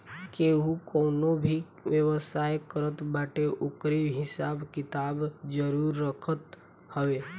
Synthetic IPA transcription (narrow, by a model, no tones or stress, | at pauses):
keɦukɔːnobʱi | ʋjəwəsaːjkəɾət̪baːʈeʔʊkɾeɦɪsaːbkɪt̪aːbd͡ʒəɾuːɾːəkʰət̪ | həʋeː